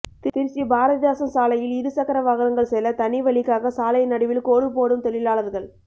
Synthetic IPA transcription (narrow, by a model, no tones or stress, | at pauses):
t̪t̪ɪɾsibaːɾɐðɐðjaːsɐmsaːlɐjɪlɪðɯsɐkːɐɾɐʋaːɣɐɾɐŋɡɐɭsɛlːɐt̪ɐnɪʋɐɭɪkːaːɣɐsaːlɐɪnɐɽɪʋɪlkoːɽɯp̬oːɽɯmt̪ɛlɪlaːlɐðɯɣɐɭ